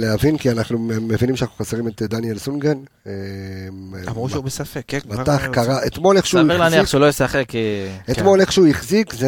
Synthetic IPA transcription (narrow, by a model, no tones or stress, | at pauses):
lehavinkianaχnume̞vinimʃanaχnuχoseʁime̞t̪d̪anijelsunɡen | mʁuʃubesafekbataχkaʁaʔet̪mo̞leχʃeuelaaniaʃeulojosaχeket̪mo̞leχʃeujiχzikze